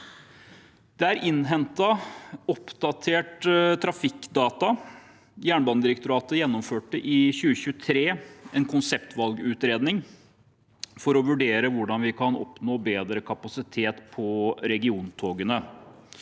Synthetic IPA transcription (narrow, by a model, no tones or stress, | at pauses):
d̪̥ɛæɾʔɪnːɦɛnt̪ɑɔpd̪ɑt̪ʰeːʈt̪ʰɾɑfɪkd̪ɑːt̪ɑ | jæːɳbɑːnəd̪ɪɾəkt̪ʊɾɑːt̪əjɛnːɔmføːʈəʔɪçʉːəçʉːət̪ʰɾeːɛnkʰʊnsɛpt̪ʰʋɑlɡʉːt̪ɾeːd̪nɪŋ | fɔɾɔʋʉɖeːɾəʋʊɖɑnʋɪkʰɑnɔ̰pnoːbeːd̪ɾəkʰɑpɑsɪt̪ʰeːt̪pʰɔɾɛɡɪuːnt̪ʰoːɡənə